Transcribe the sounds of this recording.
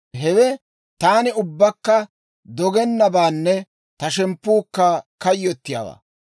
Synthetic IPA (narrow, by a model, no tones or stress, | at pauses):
ɦɛwɛ | t̪aːnɪʊbːɐkːɐ | d̪ɔɡɛnːɐbaːnːɛ | t̪ɐʃɛmpːuːkːɐkɐjːɔt̪ːɪja̰ːwa̰ː